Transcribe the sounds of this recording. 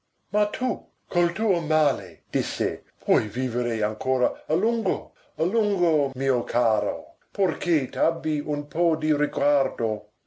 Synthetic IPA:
mat̪ʰu | kʰolt̪uːomaːlḛd̪̥isːḛpʰwɔjviːveɾeaŋkʰoːɾaaluŋɡo | aluŋɡomiːokʰaːɾo̰ | porkʰet̪abːiunpʰɔd̪iɾiɡward̪o

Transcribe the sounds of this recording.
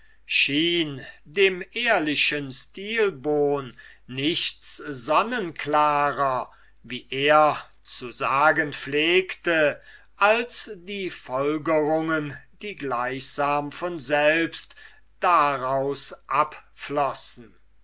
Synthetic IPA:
ʃiːndeːmʔeːɐlɪʃənstiːlboːnː | ɪçt͡szɔnənklaːʁɐ | viːʔeːɐ | t͡suzaːɡənfleːktə | ʔalsd̥iːfɔlɡəʁʊŋəndiːɡlaɪçz̥aːmfɔnzɛlpst | d̥aʁaʊsʔapflɔsn̩

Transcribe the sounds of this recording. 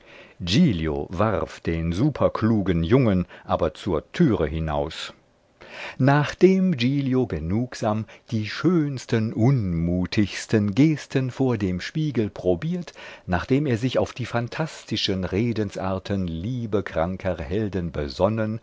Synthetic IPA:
d͡ʒiːljo̰vaʁfd̥eːnzuːpʰɐkluːɡənjʊŋənʔaːbɐt͡suːɐtʰyːʁəɦɪna̰ʊs | naːχd̥eːmd͡ʒiːljoɡənuːkz̥aːmd̥iːʃøːnstənʔʊnmuːtʰɪçstənɡeːstʰənfoːɐdeːmʃpiːɡl̩pʁ̥obiːɐtnaːχd̥eːmeːɐzɪçaʊfd̥iːfantʰastɪʃənʁeːdənsʔa̰ːɐtʰənliːbəkʁ̥aŋkʰəhɛldənbə̰zɔnən

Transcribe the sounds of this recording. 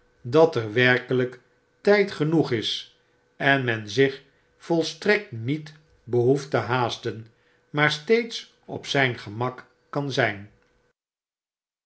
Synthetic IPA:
dɑtəɹʋɛɹkələk | tɛjtχənuχɪs | ɛnmɛnzɪχ | fɔlˠstrɛk̚tnit | bəɦuftəɦaːstən | maːɹstejts | ɔ̰psɛjnχəmɑk | kɑnzɛjn

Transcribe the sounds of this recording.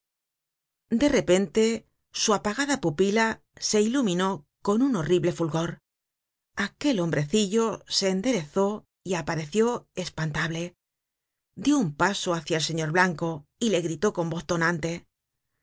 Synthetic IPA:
d̪e̞re̞pe̞nt̪e̞ | suapaɣaðapupila | se̞ilumĩno̞ | ko̞nuno̞riβle̞fulɣo̞ɾ | ake̞lo̞mbɾe̞θiʎo̞se̞ːnd̪e̞ɾe̞θo̞ | iapaɾe̞θjo̞espant̪aβle̞ | d̪jo̞umpasoaθjaelse̞ɲo̞ɾβlaŋko̞ile̞ɣɾit̪o̞ko̞mbo̞θt̪onãnt̪e̞

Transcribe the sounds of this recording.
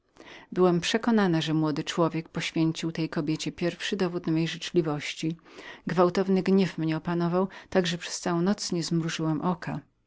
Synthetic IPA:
bɘwɛmpʂɛkɔnanaʐɛmwɔd̪ɘt͡ʂwɔvʲjɛk̚pɔɕfʲjeɲt͡ɕiwt̪ɛjkɔbʲjet͡ɕɛpʲjɛɾfʂɘd̪ɔvut̪mɛjʐɘt͡ʂlʲivɔɕt͡ɕiɡvawt̪ɔvnɘɡɲɛfmɲɛɔpanɔvawt̪aɡʐɛpʂɛ̥st̪sawɔ̃w̃nɔt̪sɲɛzmɾuʐɘwɛmʔɔkʰa

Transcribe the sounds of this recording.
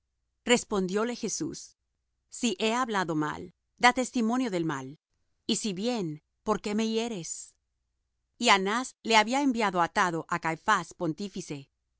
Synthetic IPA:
re̞spo̞nd̪jo̞le̞xe̞sṵsː | iʔe̞aβlaðo̞ma̰l | d̪at̪e̞st̪imo̞njo̞ðe̞lma̰l | isiβje̞n | po̞ɾke̞me̞je̞ɾe̞s | ianasle̞aβiaembjaðo̞at̪aðo̞ʔakajfaspo̞nt̪ifise̞

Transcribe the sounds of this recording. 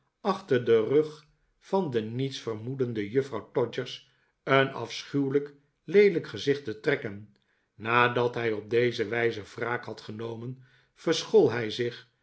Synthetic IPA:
ɑχtəʁdərɵχ | fɑndənitsfərmudəndəjɵfrɑwtɔd͡ʒəɹs | ənɑ̰fsχywlək | lejdələkχəzɪχtətrɛkənː | aːdɑtɦɛjɔb̚dejzəʋɛjzəv̥raːkhɑtχənowmən | fərsχɔlˠɦɛjzɪχ

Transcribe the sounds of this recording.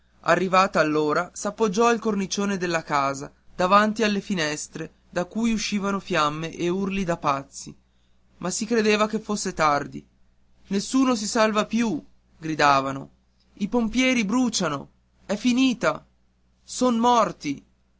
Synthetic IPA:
a̰rːivaːt̪aːlːoːɾasapːod͡ʒːɔilkornit͡ʃoːned̪elːakaːza̰ | d̪avant̪ialːefinɛst̪ɾe | d̪akːuːjuʃːiːvanofjamːeʔeurlid̪apat̪sːḭ | mʔasikɾed̪eːvakefːosːet̪ard̪ḭ | nesːuːnos̬isalvapju | ɡɾid̪aːvano̰ | ipompjɛːɾibɾuːt͡ʃano̰ | ɛfːiniːt̪a | sonmɔrt̪i

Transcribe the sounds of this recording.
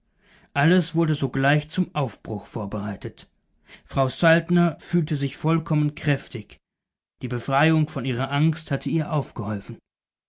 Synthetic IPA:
ʔaləsv̥ʊɐdəzoːɡlaɪçt͡sʊmʔaʊfb̥ʁʊxfoːɐbəʁaɪtʰət | fʁ̥aʊsaltnɐfyːltəzɪçfɔlkʰɔmənkʁ̥ɛftɪç | d̥iːbəfʁ̥aɪʊŋfɔnʔiːʁ̞ɐʔaŋsthatʰəiːɐʔaʊfɡ̥əhɔlfn̩

